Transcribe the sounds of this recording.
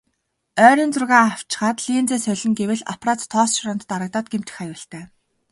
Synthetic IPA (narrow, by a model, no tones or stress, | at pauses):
œːɾʲiːnt͡sʊrɣaːaw̥t͡ɕɪ̆χaːt̪ɮiːnt͡seːsœɮʲɪ̆ŋɡewɘ̆ɮa̰praːt͡st̪ʰːɔːsʃɾɔnt̪̆t̪aɾə̆k̚t̪aːt̪̚ɡem̥t̪ʰɘ̥̆xajʊːɬt̪æː